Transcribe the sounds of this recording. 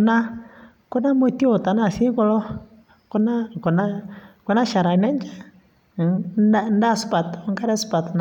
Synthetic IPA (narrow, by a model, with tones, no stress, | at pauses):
una˦ | ku˦na˦mu˦ti˦o˨ta˨na˨si˦ŋku˦lɔ˦ | ku˦na˦ku˨na˦ku˦na˦ʃa˨ɾa˨nɛ˦ɲd͡ʒa˦ | n˦da˦su˨pa˨tŋɡa˦ɾɛ˦su̥˦pa˨tn